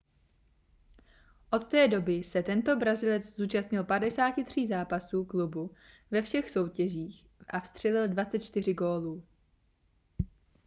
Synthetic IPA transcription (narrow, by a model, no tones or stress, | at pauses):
ʔo̞t̪ːɛːdo̞bɪsɛt̪ɛnt̪o̞bɾazɪlɛt͡szuːt͡ʃast̪ɲɪlpadɛsaːcɪt̪r̝̥iːzaːpasuːklubu | vɛfʃɛxso̞wcɛʒiːx | ʔafst̪r̥ɛlɪldvat͡sɛt̪̚t͡ʃt̪ɪr̝ɪɡo̞ːluː